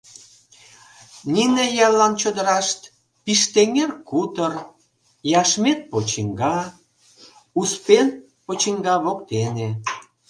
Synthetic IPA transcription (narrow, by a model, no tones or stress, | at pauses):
nʲinejɑlɑnt͡ɕod̪əɾɑʃt̪ | piʃt̪eŋerkut̪ər | jɑʃmet̪̚pot͡ɕiŋɡɑ | uspen | pot͡ɕiŋɡɑβokt̪ene